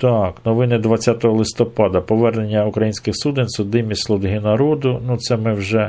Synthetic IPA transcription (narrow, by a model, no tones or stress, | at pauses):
t̪ɑknɔʋɪnɪd̪ʋɐt͡sʲːat̪ɔɦɔlˠɪst̪ɔpɑd̪ɐpɔʋɛrnenʲːɐukɾɐjinʲsʲkɪxsud̪enʲsʊd̪ɪmʲisʲlˠʊd̪ɦɪnɐɾɔd̪ʊnut̪sɛmɪwʒɛ